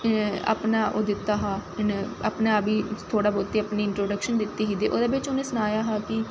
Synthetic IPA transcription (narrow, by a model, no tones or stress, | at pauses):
ə̰pnaːʔo̰ːd̪ɪt̪ːaːɦaːɪnə̰pnaːbiːt̪ʰoːɽaːboːt̪eːəpniːɪɳʈɾoːɖəkʃənd̪ɪt̪ːiːɦiːd̪eːʔo̰ːd̪eːbɪt͡ʃonẽːsʊnaːjaːɦaːkɪ